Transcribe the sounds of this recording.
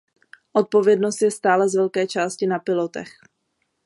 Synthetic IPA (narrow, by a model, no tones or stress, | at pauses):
ʔo̞t̪̚po̞vjɛdno̞st̪jɛst̪aːlɛzvɛlkɛːt͡ʃaːscɪnapɪlo̞t̪ɛ̰x